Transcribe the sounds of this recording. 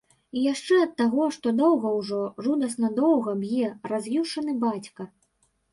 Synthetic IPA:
ijaʂt͡ʂɛɐt̪ːaɣɔʂt̪ɔd̪ɔwɣɐwʐɔʐud̪ɐsnɐd̪ɔwɣɐbjɛrazʲvʲiʂɐnɨbat͡sʲkɐ

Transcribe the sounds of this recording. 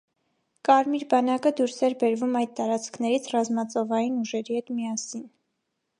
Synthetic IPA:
kɑɾmiɾbɑnɑkəd̪uɾsɛɾbɛɾvumɑjd̪̚t̪ɑɾɑt͡skʰnɛɾit͡sʰrɑzmɑt͡sɔvɑjinuʒɛɾihɛt̪miɑsin

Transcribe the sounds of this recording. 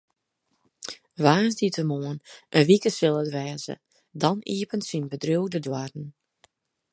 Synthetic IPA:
ʋaːzditəmoənʔənʋikəsɪlˠətʋɛːzə̰ | dɔniːəpəntsinbədruwdədwarn̩

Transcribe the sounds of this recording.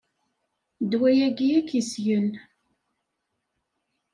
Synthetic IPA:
d̪wæjæɡijækisjən

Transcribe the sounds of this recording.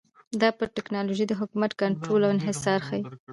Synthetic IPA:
d̪ɑpəɾʈɪknɑloʒid̪əɦʊkumat̪kaɳʈɾolawɪnɦɪsɑɾxawi

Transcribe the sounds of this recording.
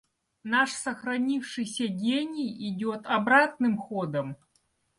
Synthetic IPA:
naʂsɐxɾɐnʲifʂɨjsʲɐɡʲenʲɪjɪdʲot̪ɐbɾat̪̚nɨmxod̪əm

